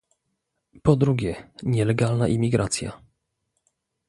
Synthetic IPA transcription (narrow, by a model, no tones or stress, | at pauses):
pɔd̪ɾuɡʲjɛɲɛlɛɡalnaʔimʲiɡɾʔat̪sʲja̰